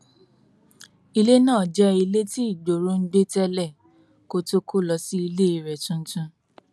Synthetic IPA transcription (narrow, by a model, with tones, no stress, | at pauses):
i˧le˦nãː˦˨d͡ʒɛ˦i˧le˦ti˦i˦˨do˨ɾo˦n̩˦ɡ͡be˦tɛ˦lɛ˦˨ | ko˦to˦kʰo˦˨lɔ˧si˦i˧le˦i˧ɾɛ˨tũ˦n̩˦tũ˧